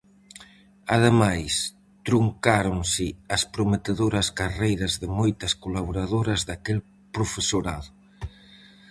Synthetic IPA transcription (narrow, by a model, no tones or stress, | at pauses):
aðemajs | t̪ɾuŋkaɾoŋsɪɐspɾomet̪eðoɾɐskarejɾɐzðɪmojt̪ɐskolaβoɾaðoɾɐzðakel | pɾofesoɾaðʊ